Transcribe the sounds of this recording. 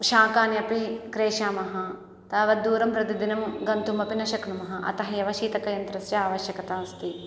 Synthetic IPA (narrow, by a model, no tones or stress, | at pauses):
ʃaːkaːnjɐpikɾeːʃaːmɐɦɐ | t̪ɐːʋɐd̪uːɾɐmpɾɐt̪id̪inɐmɡɐnt̪umɐpinɐʃɐknumɐɦɐʔɐ̰t̪ɐɦɐjɐʋɐʃiːt̪ɐkɐjɐnt̪ɾɐsjɐaːʋɐʃjɐkɐt̪aːst̪i